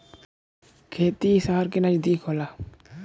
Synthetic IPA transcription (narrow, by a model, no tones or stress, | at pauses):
kʰeːt̪isaɦaɾkinad͡ʒd̪ikʰola